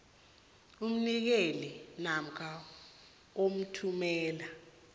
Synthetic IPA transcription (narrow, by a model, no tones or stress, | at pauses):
um̩nik̬elinam̩kʰa | om̩tʰumɛːla